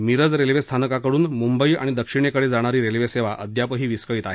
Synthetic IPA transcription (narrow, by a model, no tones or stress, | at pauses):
miɾəd͡zɾelʋest̪ʰanəkakəɽuːnmumbəia̰ɽ̃id̪əkʂiɽ̃ekəɽed͡zaɽ̃aɾiːɾelʋeseʋaʔəd̪ʱjapəɦiːʋiskəiːt̪aɦe